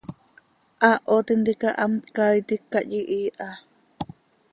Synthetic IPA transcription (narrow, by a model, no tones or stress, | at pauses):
ʔaʔot̪ind̪ikaʔamt̪kajt̪ikːaʔjiʔiːʔa